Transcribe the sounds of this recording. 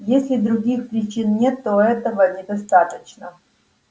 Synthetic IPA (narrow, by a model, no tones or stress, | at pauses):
jesʲlʲɪd̪ɾuɡʲixpɾʲɪt͡ɕinnʲet̪ːoɛt̪əvənʲɪd̪ɐst̪at̪ət͡ɕnə